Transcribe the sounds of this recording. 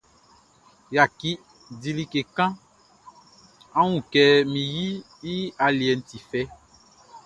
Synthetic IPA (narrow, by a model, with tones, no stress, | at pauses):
ja˨ki˦ | di˨li˨ke˨kã˦ | ã˦wũ˨kɛ˨mĩ˨ji˦ | ji˦a˨li˨ɛ˨n̩˦ti˨fɛ˦